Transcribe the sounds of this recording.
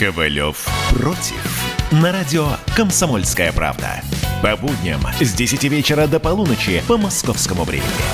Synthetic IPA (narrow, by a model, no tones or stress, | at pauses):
kəvɐlʲo̰fprotʲɪ̰fnɐɾadʲɪokəmsɐmolʲskəjəpɾa̰vd̪ə̰pɐbud̪ʲnʲɪ̰mzʲdʲɪsʲɪtʲivʲet͡ɕɪɾəd̪əpɐlˠunət͡ʃɪpəmɐskofskəmʊvɾʲemʲɪ̰nʲɪ̰